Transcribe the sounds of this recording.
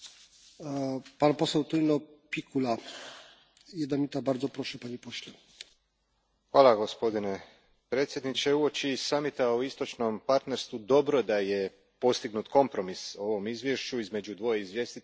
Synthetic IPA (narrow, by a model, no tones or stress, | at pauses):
panposɛwt̪ulʲinɔpʲikula | jɛd̪namʲit̪abaɾd̪zɔpɾɔʂɛpaɲipoɕlɛ | xʋaːlˠaɡo̞spo̞d̪ine | pɾe̞ːt̪sʲje̞d̪nit͡ɕeuo̞t͡ɕisamit̪auist̪o̞t͡ʃnompaɾt̪neɾst̪ʋud̪o̞bɾod̪aje | po̞st̪iɡnut̪kʰo̞mpɾo̞miso̞ʋo̞mizʋje̞ʃt͡ɕuizme̞d͡ʑud̪ʋo̞jeizʋje̞st̪i